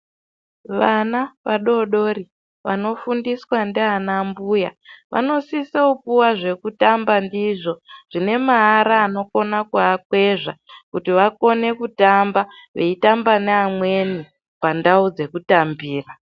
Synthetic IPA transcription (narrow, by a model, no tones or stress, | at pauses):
ʋanaʋaɗo̞ɗo̞ɾi | ʋa̰no̞fundiswandeanambujaʋʔa̰no̞siseupuwaʐe̞kutambandiʐo̞ʐ̥ine̞maɦːɾaːno̞ko̞nakuakwe̞ʐakutiʋako̞ne̞kutambaʋe̞itambaneamwe̞ni | pandaud͡ze̞kutambiːra